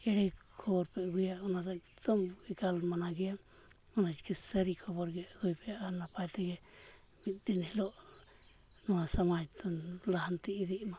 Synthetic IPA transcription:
ɛɽɛkʰɔbɔɾpɛɡujaʔɔnaɾakt̪ɔmɡikalmanaɡɛja | ɔnad͡ʒkɛsəɾikʰɔbɔɾɡɛjaɡujpɛjaʔanapajt̪ɛɡɛ | bit̪̚d̪inhilɔʔ | nɔwasamad͡ʒt̪ɔlaɦant̪iːd̪iʔma

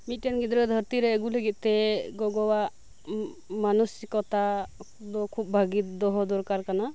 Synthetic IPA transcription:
mit̪̚tɛnɡit̪ɾɔd̪ʱəɾt̪iɾɛːɡuləɡit̪̚ˀt̪ɛɡɔɡɔwaʔ | manusikɔt̪a | d̪ɔkʰub̚bʱaɡit̪̚d̪ɔɦɔd̪ɔɾkaɾkana

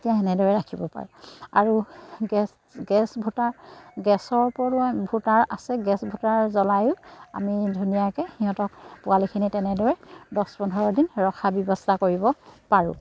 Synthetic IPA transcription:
etijaɦɛnɛdɔɹɛɹakʰibɔpa̰ɹɛa̰ɹuɡɛs | ɡɛsbʱutaɹɡɛsɔɹpɔɹʊbʱutaɹasɛɡɛsbʱutaɹzɔlajʊa̰midʱunijakɛxiɦɔ̃tɔkpʊalikʰinitɛnɛdɔɹɛdɔspɔndʰʱɔɹɔdinɹɔkʰabɔbɔstakoɹibɔpaɹʊ̰̃

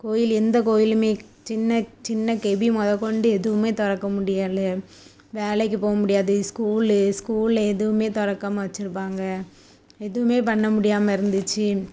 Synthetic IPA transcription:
koːjɪlɛnd̪ɐkoːjɪlmeː | t͡ʃɪnːɐt͡ʃɪnːɐkɛbimɔðɐkːɔɳɖɯɛðɯʋɯmeːt̪ɔɽɐkːɐmʊɽɪjaːðɯ | ʋeːlɐɪk̬ːɯpoːɣɐmʊɽɪjaːðɯskuːlskuːllɐɛðɯʋɯmeːt̪ɔɽɐkːaːmɐʋɐt͡ʃːɪɾɯpːaːŋɡɐ | ɛðɯʋɯmeːpɐɳːɐmʊɽɪjaːmɐɪɾɯnd̪ɯt͡ʃːɯ

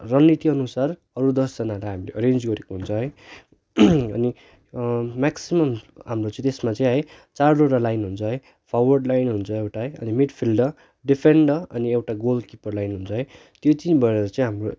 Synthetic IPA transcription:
rʌnːit̪iʌnusar | ʌɾud̪ʌsd͡zʌnalajɦamileʔʌɾend͡zɡʌɾekoɦunt͡sʰʌɦʌj | ʌ̰ni | maksimʌmɦamrot͡sʌ̃ĩt̪esmat͡sʌĩɦʌj | t͡sarɖoɾalajnɦunt͡sʰʌɦʌj | pʰawʌrɖlajnɦunt͡sʰʌewʈaɦʌjʌ̰nimiɖpʰilɖʌ | ɖipʰeɳɖʌʌniewʈaɡolkipʌrlajnɦunt͡sʰʌɦʌj | t̪jot͡sĩbʱʌeɾeɾʌt͡sʌ̃ĩɦamro

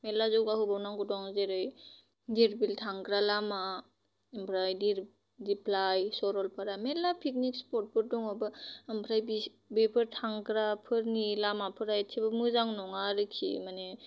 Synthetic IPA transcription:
mɛlazɔwɡaɦubawnaŋkɔdɔŋzeɾɯj | diɾbiltʰaŋɡɾalama | mpʰɾajdiɾ | dipʰlajsɔɾɔlpʰaɾamɛlapʰik̚nikspɔt̚bɔɾ̚dɔŋɔbɯəmpʰɾajbi | bepʰɯɾtʰaŋkɾapʰɯɾnilamapʰɯɾajetʰebɯmɯzaŋnɔŋaɾɯkʰḭmanɛ

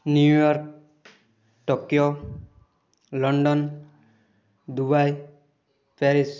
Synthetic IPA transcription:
njujɔɾk̚ | ʈɔkijɔ | lɔɳɖɔn | d̪ubaj | pɛɾis

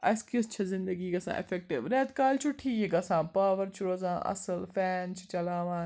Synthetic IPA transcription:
ɐskɪst͡ʃʰɐzɪ̃nd̪əɡiːɡɐsã̰ːʔɪ̰fʰɛk̚ʈɪʋɾɛːt̪kaːlt͡ʃʰʊʈʰiːeɡɐsãːpaːʋəɾt͡ʃʰʊɾozã̰ːʔɐ̰səlfʰɛːnt͡ʃt͡ʃɐlaːʋãːn

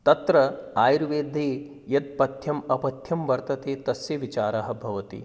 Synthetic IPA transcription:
t̪ɐt̪ɾɐaːjɾʋeːd̪ʱeː | jɐt̪̚pɐt̪ʰjɐmɐpɐt̪ʰjɐmʋɐɾt̪ɐt̪eːt̪ɐsjɐʋit͡ʃaːɾɐɦɐ̆bʱɐʋɐt̪ḭ

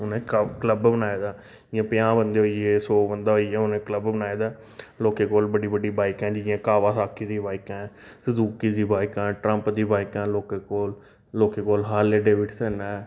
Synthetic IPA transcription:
ʊnẽːkəkləbbənaːeːd̪aː | d͡ʒɪãːpɪjãːbənd̪eːɦoːieːsoːbənd̪aːɦoːiɛːʊnẽːkləbbənaːeːd̪aː | loːkeːkoːlbəɽiːbəɖiːbaːɪkɛ̃ːd͡ʒɪãːkaːʋaːsaːkiːd̪iːbaːɪkɛ̃ːsəd̪uːkiːd̪iːbaːɪkãːʈɾəmpd̪iːbaːɪkɛ̃ːloːkeːkoːl | loːkeːkoːlɦaːleːɖeːʋɪʈsɛːnaː

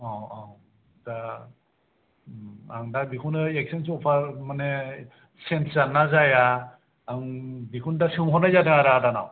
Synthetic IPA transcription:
ɔɔ | da | aŋdabikʰunɯek̚sens̬ɔpʰaɾmane | senzanːazajaː | ŋbikʰundasɯmɦɔnajzadɯŋaɾaːdana̰w

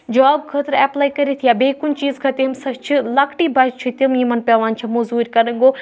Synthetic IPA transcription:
d͡ʒɔːb̚kʰɐt̪ɾɛplaːikɐɾet̪ʰijaːbeːkʊnt͡ʃiːzkʰɐt̪imsɐt͡ʃʰilɐkʰʈibɐt͡ʃʰit̪ɐmjimɐnpʲaʋaːnt͡ʃʰɐmozuːɾʲkɐɾɐ̃ŋɡoː

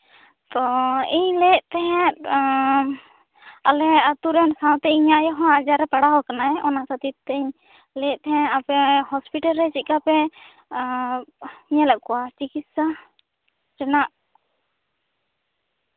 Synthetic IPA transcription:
t̪ɔiɲlɛʔt̪ɛɦɛ̃t̪̚ | alɛat̪uɾɛnsãw̃t̪ɛiɲajɔɦɔ̃ad͡ʒaɾɛpaɽaɦɔkanaɛʔɔnasat̪it̪t̪ɛiɲ | lɛʔ̚t̪ɛɦɛ̃apɛɦɔspiʈalɾɛt͡ʃit̪̚kapɛ | ɲɛlaʔkɔwat͡ʃikit̪̚sa | ɾɛnaʔ

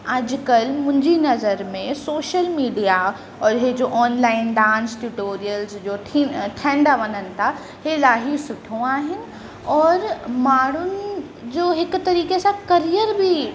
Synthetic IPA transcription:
ɐd͡ʑkəlmʊ̃ɦɪ̃ɲd͡ʑinɐzəɾmẽsoːʃəlmiːɖija | ɔːɾɦed͡ʑoːʔɔːnlaːɪnɖãːnsʈuʈoːɾijəlzd͡ʑoːʈʰiʈʰɛ̃ːɳɖaʋɐnənɪ̆t̪ʰa | helaːɦisʊʈʰõaːɦɪnɪ̆ | ɔːɾmaːɽ̤̃ʊnɪ̆ | d͡ʑoːɦɪkt̪ɐɾiːkesãkɐɾijəɾbʱi

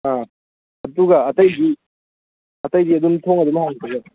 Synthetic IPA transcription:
a | ɐduɡɐːtɐjdi | ɐtɐjdiɐdumtʰoŋɐdumɐhaŋitʰaɡa

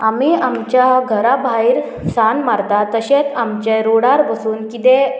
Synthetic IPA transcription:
amiamt͡ɕjaɡʱəɾabʱaiɾ | sanmaɾd̪at̪əɕet̪amt͡ɕeɾoɽaɾʋəsuːnkit̪e

